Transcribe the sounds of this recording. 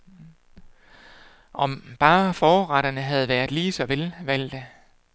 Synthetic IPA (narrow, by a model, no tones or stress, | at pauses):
ʔɒ̽mb̥ɑ̈ːfɒːʁɑɾ̥ɐnəɦæð̞̩ˠʋæɐðˠliːsɒ̽ʋelʋæl̰d̥ə